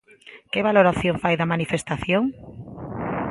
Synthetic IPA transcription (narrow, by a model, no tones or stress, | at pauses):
keβaloɾaθjoŋfajðamanifest̪aθjoŋ